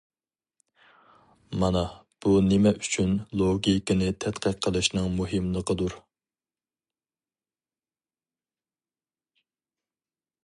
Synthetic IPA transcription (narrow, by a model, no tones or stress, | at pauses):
mɑnɑ | b̥unɪmɛʔyt͡ʃʰynlˠoɡʲikʲɪnɪt̪ʰɛt̪qəqʰːəlˠɨʃnɨŋmuɦɨmlˠəqʰəd̪uɾ